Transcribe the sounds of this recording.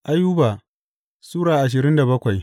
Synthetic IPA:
ʔa˦jːu˦baː˨ | suː˦ɽaː˨ʔa˨ʃ̬ɪ˨ɾɪ˦nda˨bɐ˦kʷa˨j

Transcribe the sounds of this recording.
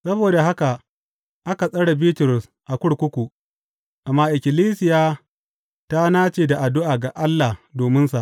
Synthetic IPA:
sɐ˦boː˨da˨ɦa˦ka˨ | ʔa˦ka˨sʼɐ˦ɽa˨biː˦tʊ˨ɾʊ˨s | ʔa˨kʷʊ˦ɽkʷʊ˦kʷu˨ʔ | ʔa˨mːaː˨ʔɪ˨kʲɪ˨liː˦sɪ˨jaː˦ | ta˦naː˦t͡ʃeː˨da˨ʔa˨dʊ˦ʔaː˨ɡa˨ʔa˦lːa˨doː˨mɪ˦nsa˨ʔ

